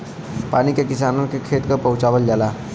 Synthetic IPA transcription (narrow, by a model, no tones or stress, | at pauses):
pañikjakisanonkekʰet̪kəpəwt͡ʃaʋəld͡ʒala